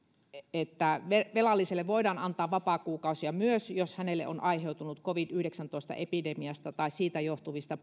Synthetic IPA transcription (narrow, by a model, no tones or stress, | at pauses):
et̪ːæʋeʋelɑlːiselːeʋʋoidɑːnɑnt̪ɑːʋʋɑpɑːˑkuːkɑˑusiɑmyøsjoshænelːḛʔo̰nʔɑiheut̪unut̪koʋidyhɾeksænt̪oˑist̪ɑ̰ʔepidemiɑst̪ɑt̪ɑissiːt̪æjoht̪uʋist̪ɑ